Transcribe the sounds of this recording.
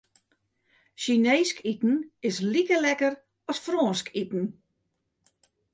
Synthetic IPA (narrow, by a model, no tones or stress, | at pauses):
ʃineːskitn̩ɪslikəlɛkər | ɔsfrɔːnskʰitn̩